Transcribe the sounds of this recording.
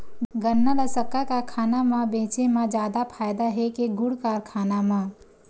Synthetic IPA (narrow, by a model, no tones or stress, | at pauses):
ɡənːaləsəkːakakʰaːnamãbẽːt͡ʃemãd͡ʒjaːd̪apʰaːjd̪aɦekeɡʊɽkaːɾkʰaːnamã